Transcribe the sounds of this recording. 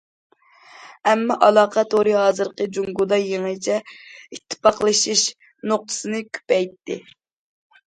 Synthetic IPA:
ɛmːɑʔɑlˠɑːqʰɑt̪oɾɨɦɑːzɨɾqəd͡ʒuŋɡud̪ɑjeŋɨt͡ʃʰɛit̪ʰːɨ̥pɑqlˠɨʃiʃ | noq̚t̪ʰɨ̥sɨnɨkʲʰy̥pɛjt̪ːɪ̰

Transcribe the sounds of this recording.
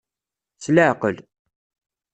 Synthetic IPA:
sləʕqəl

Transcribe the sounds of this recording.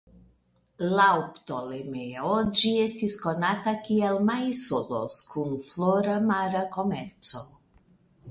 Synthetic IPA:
laopto̞lemeod͡ʒie̞stisko̞natakielmajsolo̰skunfloɾamaɾako̞me̞ɾt͡so̞

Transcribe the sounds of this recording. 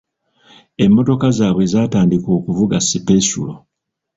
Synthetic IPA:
e̞mːo̞to̞kazaːβwezaːtaːndiko̞ːkuvuɡasipesṵlo

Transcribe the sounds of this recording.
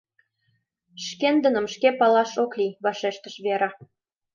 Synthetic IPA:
ʃkend̪ə̆nə̆mʃkepɑlɑʃoklʲiβɑʃeʃt̪əʃβeɾɑ

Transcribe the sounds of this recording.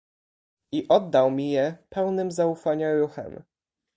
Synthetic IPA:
iʔɔd̪ːawmʲijɛpɛwnɘmzaufaɲaɾuxɛ̰m

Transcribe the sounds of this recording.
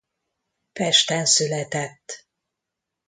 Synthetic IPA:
fɛʃt̪ɛnsylɛt̪ɛt̪ː

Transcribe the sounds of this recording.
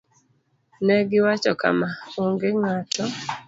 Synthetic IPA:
nɛɡɪwat͡ʃɔka̰mauŋɡeŋatɔ

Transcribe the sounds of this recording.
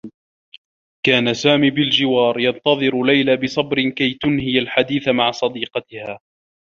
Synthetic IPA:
kaːnasaːmiːbɪld͡ʒɪwɑːɾˤjɑnt̪ɑðˤɨɾlajlaːbɪsˤɑbɾɪkajt̪ʊnhɪjalħad̪iːθamaʕsˤɑd̪iːqɑt̪ɪhaː

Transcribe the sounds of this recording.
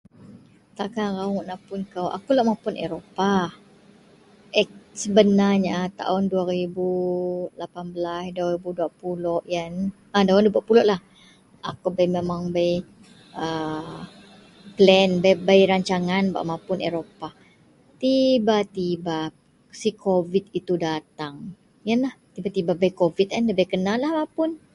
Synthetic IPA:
t̪akaɣawɔʔnaʔpʊnkawʔa̰kulaʔmãpʊnḛɾopa | ɛk̚səbənaɲat̪a̰ʊnduaɾibulapanbəlasduaɾibuduaʔpulɔʔjan | adaʊndubuaʔpulɔʔlah | a̰kubajmemaŋbaj | ə | plɛnbabajɾaɲt͡ʃaŋanba̰ʔmãpʊnḛɾopa | t̪ibat̪iba | sikʰovit̪̚it̪udat̪aŋ | janlaht̪ibat̪ibabajkovit̪̚anləbajkənalahmapʊn

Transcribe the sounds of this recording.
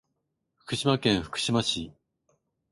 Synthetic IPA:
ɸɯ̥kɯɕimakẽɰ̃ɸɯ̟̥kɯ̟̥ɕimaɕi

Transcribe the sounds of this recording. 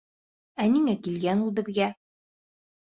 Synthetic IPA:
æniŋækilɡænulˠbɘ̆ðɡæ

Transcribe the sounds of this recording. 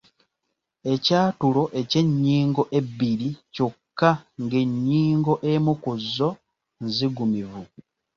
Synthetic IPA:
e̞caːtulo̞ʔe̞ce̞ɲːiːŋɡo̞ʔe̞bːiɾico̞kːaŋɡe̞ɲːiːŋɡo̞ʔemukuzːo̞ | nziɡumivu

